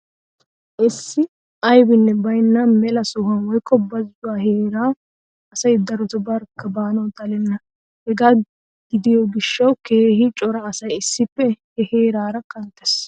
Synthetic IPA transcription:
ʔɪsːɪ | ʔɐjbɪnːɛbɐjnːɐmɛlɐsʊhɐnwɔjkːɔbɐzʊwaːheːɾaː | ɐsɐjd̪ɐɾɔt̪ʊbɐɾkːɐbaːnɔwt̪ɐlɛnːɐ | hɛɡaː | ɡ̥ɪd̪ɪjɔɡɪʃːɐwke̞ːhɪt͡ʃʼɔɾɐːsɐjɪsːɪpːɛhɛhe̞ːɾaːɾɐkɐnt̪ːɛs

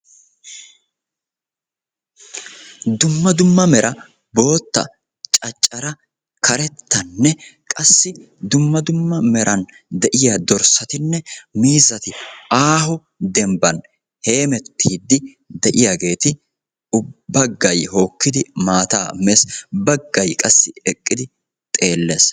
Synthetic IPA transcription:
d̪ʊmːɐd̪ʊmːɐmɛɾɐ | bo̞ːt̪ːɐ̰ | t͡ʃʼɐt͡ʃʼːɐɾɐ | kɐɾɛt̪ːɐnːɛkʼɐsːɪ | d̪ʊmːɐd̪ʊmːɐmɛɾʔɐn | d̪ɛʔɪjad̪ɔɾsɐt̪ɪnːɛmiːzɐt̪ɪaːɦɔ | d̪ɛmbɐn | he̞ːmɛt̪ːiːd̪ːɪ | d̪ɛʔɪjaɡe̞ːt̪ɪ | ʊbːɐɡːɐjho̞ːkːɪd̪ɪmaːt̪aːmɛsbɐɡːɐjkʼɐsːɪɛkʼːɪd̪ɪ | t̪ʼe̞ːlːes

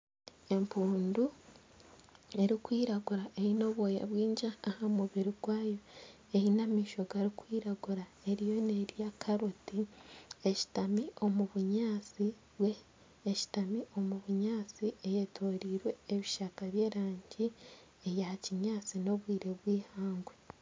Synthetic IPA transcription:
e̞mpʰuːndu | e̞ɾikwiːɾaɡuɾaʔe̞ino̞βwoːjḛβwiːɲd͡ʒaːhamuβiɾiɡwaːjo̞ | ehinamiːʃo̞ɡaɾikwiːɾaɡuɾa | e̞ɾijo̞ne̞ɾjakʰaɾotieci̥tamio̞muβuɲaːt͡si | βweː | ci̥tamiʔo̞muβuɲaːt͡siejetʰoɾiːɾwe̞ːβiʃakaβje̞ːɾaːɲɟi | ejaciɲaːt͡sino̞βwiːɾe̞βwiːhaːŋɡwe

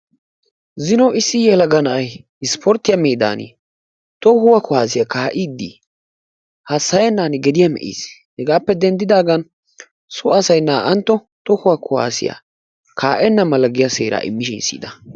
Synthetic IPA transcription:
zɪnɔɪsːɪjɛlɐɡɐnɐʔɐj | ɪspʰɔɾt̪ːɪjɐmeːd̪a̰ːnɪ̰ | t̪ɔhʊwɐkʊhaːs̬ɪjakaːʔɪd̪ːḭ | hɐsːɐjɛnːaːnɪɡɛd̪ɪjɐmɛ̰ʔḭːs | hɛɡaːpːɛd̪ɛnd̪ɪd̪aːɡɐn | sʊɐsɐjnːaːʔɐnt̪ːɔ | t̪ɔhʊwɐkʊwa̰ːsɪ̰ja̰ | kʰaːʔɛnːɐmɐlɐɡɪjɐseːɾa̰ːʔɪ̰mːɪʃɪnsḭːd̪ɐ

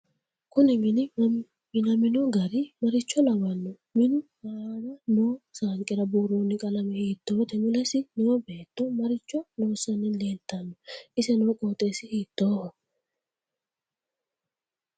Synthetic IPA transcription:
kʊnɛmɪnɪ | mɪnɐmɪnoɡɐɾɪmɐɾɪt͡ʃːɔlɐwɐnːɔ | mɪnʊmaːnɐnoːsaːŋkʼɪɾɐbuːɾoːnːɪkʼɐlɐmɛhiːt̪ːoːt̪ɛmʊlɛsɪnɛwɔbe̞ːt̪ːɔmɐɾɪt͡ʃːɔnoːsɐnːɪleːnt̪ːɐnːɔɪsɛnoːkʼoːt̪ʼːeːsɪhiːt̪ːoːhɔ

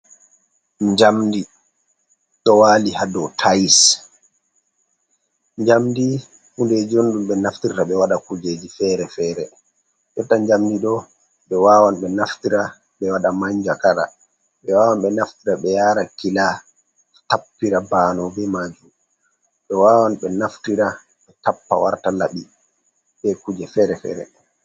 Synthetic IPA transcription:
ɲd͡ʒamdi | ɗɔwaːlihadɔtʰajs | ɲd͡ʒamdi | hunded͡ʒionɗumɓɛnaftiɾtaɓɛwaɗakud͡ʒed͡ʒifɛːɾɛfɛːɾɛ | jɔtːaɲd͡ʒamdiɗɔ | ɓɛwaːwanɓɛnaftiɾa | ɓɛwaɗamaɲd͡ʒakaɾa̰ | ɓɛwawanɓɛnaftiɾaɓɛjaːɾakila | tapːiɾabaːnɔbɛmad͡ʒum | ɓɛwaːwanɓɛnaftiɾa | ɓɛtapːa̰waɾtalaɓi | ɓɛkud͡ʒɛfɛɾɛfɛ̰ːɾɛ̰

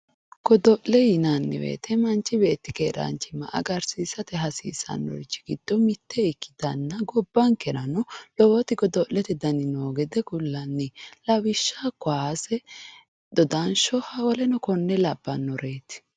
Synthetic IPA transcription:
ɡ̥ɔd̪ɔʔlɛjɪnanːɪ̰wḛːt̪ɛmɐnt͡ʃːɪbeːt̪ːɪkeːɾɐ̰nt͡ʃɪmɐ̰ʔɐ̰ɡɐɾsiːsɐt̪ɛɦɐsḭːsɐ̰nːɔ̰ɾɪt͡ʃːɪ̥ɡ̥ɪd̪̥ːɔmɪt̪ːɛɪkːɪ̥t̪ɐnːɐɡɔbːɐŋkɛɾɐnɔlɔwɔt̪ɪɡɔd̪ɔʔlɛt̪ɛd̪ɐnɪnoːɡɛd̪ɛɡʊlːɐnːɪlɐwɪʃːakːʊaːsɛ | d̪̥ɔd̪ɐnʃɔhɐwɔlɛnɔkɔnːɛlɐbːɐnːɔɾe̞ːt̪ɪ̥

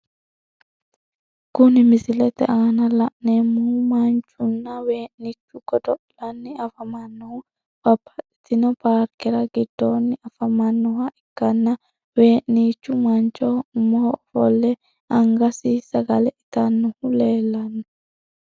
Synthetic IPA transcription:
kʊnɪmɪsɪlɛt̪ɛ̰ʔaːnɐlɐʔnemːʊhʊmɐnt͡ʃʼːʊnːɐweːʔnit͡ʃːʊɡ̥ɔd̪ɔʔlɐnːɪɐfɐmɐnːɔhʊ | b̥ɐbːɐtɪ̥t̪ɪnɔpaːɾkɛɾɐɡɪd̪̥ːoːnːɪɐfɐmɐnːɔɦɐʔɪkːɐnːɐ | we̞ːʔniːt͡ʃːʊmɐnt͡ʃʼɔmːɔhɔfɔlːɛ | ɐŋɡɐsisɐɡɐlɛʔɪt̪ɐnːʊhʊle̞ːlːɐnːʊ

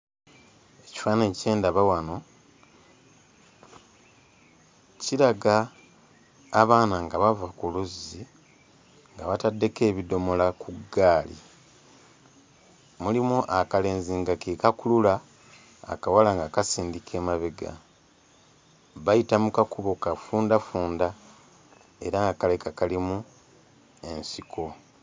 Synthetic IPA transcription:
e̞ci̥faːneːce̞ːndaβawano̞ | ciɾaɡa | βaːnaŋɡaβavakuluzi | ŋɡaβatadːe̞ke̞ːβido̞mo̞lakuɡaːlḭ | mulimuʔakale̞ːnziŋɡakekakulula̰ː | kawalaŋɡakasiːndikʰe̞ːmaβeɡa̰ | βajitamukakuβokafuːndafuːnda | e̞ɾaŋɡakale̞kakalimu | e̞nsikʰo̞

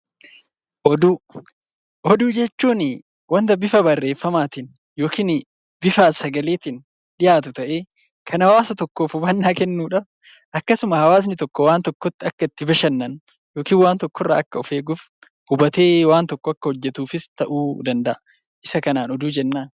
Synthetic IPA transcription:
ʔɔd̪uː | ʔɔd̪uːd͡ʒɛt͡ʃːuːnɪ | wɐnt̪ɐbɪfɐbɐrːe̞ːfːɐmaːt̪ɪn | jo̞ːkiːn | bɪfaːsɐɡɐleːt̪ɪn | ᶑɪjaːt̪ʊt̪ɐʔe̞ː | kʰɐnɐwaːsɐt̪ɔkːoːfʊbɐnːaːkɛnːuːᶑɐ | ʔɐkːɐsʊmɐhɐwaːs̬nɪt̪ɔkːɔwaːnt̪ɔkːɔt̪ːɪɐkːɐɪt̪ːɪbɐʃɐnːɐn | joːkiːnwaːnt̪ɔkːɔrːɐ̰ːɐkːɐʊfeːɡʊf | hʊbɐt̪e̞ːwaːnt̪ɔkːɔɐkːɐhɔd͡ʒːɛt̪uːfɪst̪ɐʔuːd̪ɐnd̪ɐʔɐ | ʔɪsɐkɐnaːnɔd̪uːd͡ʒɛnːaːn

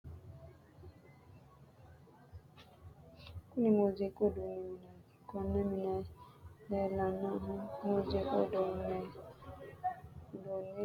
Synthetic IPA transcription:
kunimozekoduniminɛkɔneminɛ | lɛlanɔɦʊmozeko̰donɛ | done

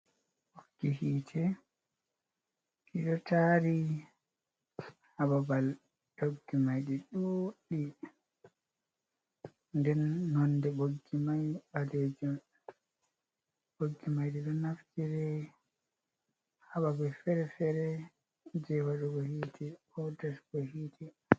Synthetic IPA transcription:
ɓoɡ̥ːihiːtʰɛ | ɗiɗɔtʰaɾi | hababal | doɡːimajɗiɗɔɗi | ndɛnːɔndɛɓoɡːimajɓaled͡ʒum | ɓoɡːimajɗiɗɔnaftiɾɛ | haɓabɛfɛɾɛfɛɾɛ | d͡ʒɛwaɗɔɡɔhitʰiɔdasɡɔhitʰi

